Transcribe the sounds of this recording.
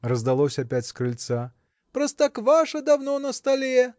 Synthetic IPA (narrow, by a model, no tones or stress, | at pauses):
rɐzd̪alˠɔsʲɐpʲat͡sʲskɾɨlʲt̪sa | pɾɐst̪akvaʂɐd̪awnɔnɐst̪alʲejɛ